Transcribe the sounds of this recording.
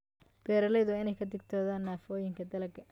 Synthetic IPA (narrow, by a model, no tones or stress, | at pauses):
b̥ɛːɾɐlɛjðʊɪnɛjkʰɐd̪ɪɡ̚t̪ʰɔːðaːnːaːfɔːjɪŋkʰɐd̪ɐlɐɡɐ